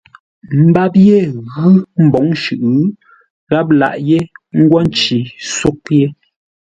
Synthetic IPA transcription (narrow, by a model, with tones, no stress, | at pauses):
m̩˦ba˦pje˦˨ɣɯ˦m̩˨bɔ˨˦ŋʃʉ˨ʔɯ˦ | ɣa˦p̬̚la̰˨ʔje˦ŋ̩˦ɡwa˦n̩˦t͡ʃi˨so˦k̚je˦